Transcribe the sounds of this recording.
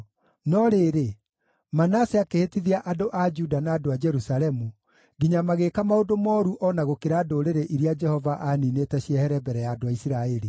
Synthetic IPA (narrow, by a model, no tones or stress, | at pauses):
nɔɾeɾe | manaseakehetiðiaʔadoʔad͡ʒudanaːdoad͡ʒɛɾusalɛmu | ɡiɲamaɣekamaodomɔːɾuʔɔnaɣokeɾaːdoɾeɾeʔiɾiad͡ʒɛhɔvaʔaninetɛɕiɛhɛɾɛbɛɾɛjaːdoaisiɾaɛɾi